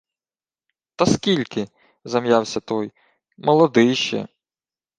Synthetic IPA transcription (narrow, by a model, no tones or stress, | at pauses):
t̪ɐskʲilʲkɪ | zɐmjɑwsʲɐt̪ɔj | mɔlˠɔd̪ɪʃɛ̰